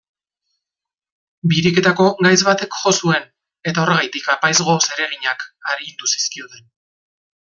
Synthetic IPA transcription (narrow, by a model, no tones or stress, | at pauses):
biɾike̞t̪ako̞ɣajzβat̪e̞kʝo̞sue̞n | e̞t̪ao̞re̞ɣajt̪ikapajzɣo̞se̞ɾe̞ɣ̞iɲakaɾint̪usi̥skiot̪en